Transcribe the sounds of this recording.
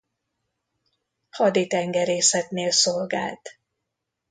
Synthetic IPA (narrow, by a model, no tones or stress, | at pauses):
hɒd̪it̪ɛŋɡɛɾeːsɛt̪neːlsolɡa̰ːlt̪